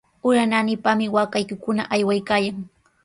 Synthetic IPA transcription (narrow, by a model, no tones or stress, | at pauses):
ʊɾananɪpamɪwakajkɪkʊna̰ʔajwajkaːjaŋ